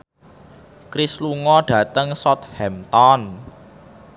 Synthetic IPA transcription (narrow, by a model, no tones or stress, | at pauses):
kɾisluŋɔɖ̥ä̤t̪əŋsɔt̪̚hɛmt̪ɔn